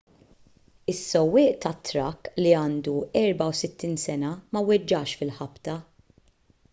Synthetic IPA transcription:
ɪsːɔwːɪːʔt̪ɐt̪ːɾɐkːliɐːnd̪uɛɾbɐwsɪt̪ːiːnsɛnɐmɐwɛd͡ʒːɐːʃfɪlħɐpt̪ɐ

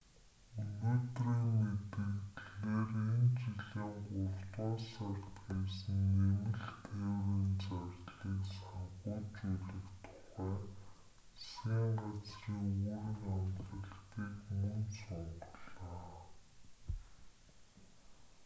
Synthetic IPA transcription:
unoːt̪riːnet̪ɘ̆ɣt̪ɮeːrent͡ɕiɮiːŋɢʊr̥t̪waːsar̥t̪ɡesɘ̆nemɘ̆ɮt̪ʰæwriːnt͡sarʲɮiːksaɴʁʊːt͡ɕuɮɘ̆kt̪ʰʊ̥χæː | sxiːɴɢat͡sriːŋuɾɘ̆ŋamt̪ə̆ɮt̪iːkmɵnsʊɴɢɞ̆ɮaː

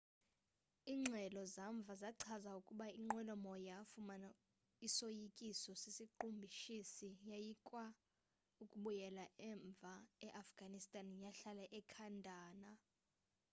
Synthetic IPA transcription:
iːŋ͡ǁʱɛlɔzaɱb̪vʱazaǀʰazaukʼuɓaiŋ͡ǃɛlɔmɔjafumana | isojikʼisɔsesiǃumbʱiʃisijajikʼwa | ukʼuɓujɛlaʔɛɱb̪vʱaɛʔafɡ̥ʱanistʼanjaɬalɛʔɛkʰandʱaːna

